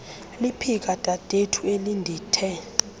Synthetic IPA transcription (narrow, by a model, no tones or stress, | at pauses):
lipʰik̬ʼad̥ʱʼad̥ʱetʰuelindʱiːtʰɛ